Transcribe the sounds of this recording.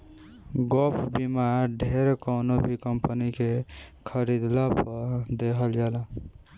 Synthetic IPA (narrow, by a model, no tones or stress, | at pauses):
ɡopʰbimaɾɖʱeɾkəʊnobʱikəmpənikekʰəɾid̪lapəɾd̪eɦəld͡ʒala